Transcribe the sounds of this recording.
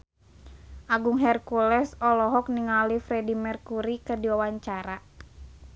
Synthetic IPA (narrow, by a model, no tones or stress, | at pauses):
ʔaɡuŋɦɛrkulɛsɔlɔɦɔk̚niŋalifɾɛdimɛrkuɾikɨrdiwawaɲt͡ʃaɾa